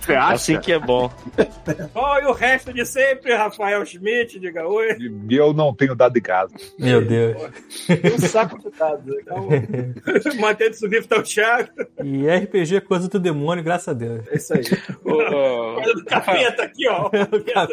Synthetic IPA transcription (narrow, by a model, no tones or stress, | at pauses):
sasĩkɪɛbõ | ɔɪʊʁɛʃt̪ʊd͡ʒɪsẽpɾɪhafaɛwʃmit͡ʃɪd͡ʒiɡaojewnɐ̃w̃t̪ẽɲʊd̪ad̪ʊɪ̃ka̰zɐmewd̪ewʃ | sakʊd͡ʒɪd̪ad̪ʊkɐ̃ | mɐ̃t̪ẽwd̪ʊsuvifɪt̪aʊʃad̪ʊɪɛhipeʒeɛkojzɐd̪ʊd̪emõnʲjʊɡɾasɐzɐd̪ewʃɛisai | ojzɐd̪ʊkafet̪akiɔd̪ʊka